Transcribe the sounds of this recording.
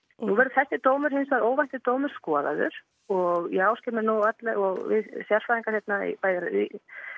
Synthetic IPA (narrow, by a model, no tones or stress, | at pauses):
nuvɛɾðʏθɛsːɪt̪oːwmʏɾ̥hɪnsvaðoːwvajnt̪ɪt̪oːwmʏɾ̥skɔːða̰ðʏ̰ɾ̥ | ɔɣjɛaːwscɛmɪɾnuat̪lɛɣɔɣvɪ̰ðsjaɾ̥sfaːiŋkḁɾhjɛt̪naḭpaːjðɪɾḭ